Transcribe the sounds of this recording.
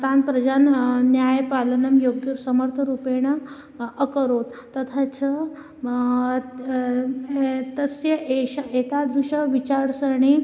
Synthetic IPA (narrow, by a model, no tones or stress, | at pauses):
t̪anpɾɐd͡ʑannjajpalənɐmjoɡjuɾsəməɾt̪ʰəɾupeɳ̃ə | əkəɾot̪ːɐt̪ʰat͡sə | t̪əsjɐeɕaet̪ad̪ɾuɕəʋit͡ɕaɽsəɳi